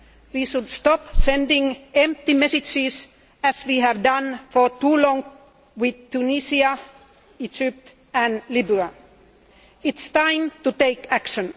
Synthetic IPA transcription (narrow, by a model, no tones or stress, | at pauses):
wiːʃʊdst̪ɑpsɛ̃ndɪ̃ŋɛ̃mp̚t̪imɛsɪd͡ʒɪs | æswiːɦævdʌ̃nfə˞tuːlɔ̃ŋ | wɪðt̪unisiə | id͡ʒɪp̚t̪ | æ̃nlɪbʉə | ɪtst̪ãɪ̃mt̪ut̪eɪkækʃə̃n